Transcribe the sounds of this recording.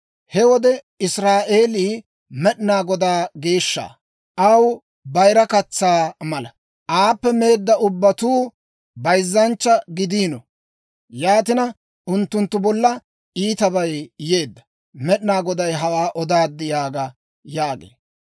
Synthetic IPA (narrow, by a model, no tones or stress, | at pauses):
hɛwɔd̪ɛ | ɪsɾaːʔe̞ːliː | mɛɗnaːɡɔd̪aːɡe̞ːʃːa̰ː | ʔɐw | bɐjɾɐkɐt͡sːaːmɐlɐ | ʔaːpːɛmeːd̪ːɐʊbːɐt̪uː | bɐjzːɐnt͡ʃːɐɡɪd̪iːnɔ | jaːt̪̬ɪnɐ | ʔʊnt̪ːʊnt̪ːʊbɔlːɐ | iːt̪ɐbɐjje̞ːd̪ːɐ̥ | mɛɗnaːɡɔd̪ɐjɦɐwaːʔɔd̪aːd̪ːɪjaːɡɐ | jaːɡḛː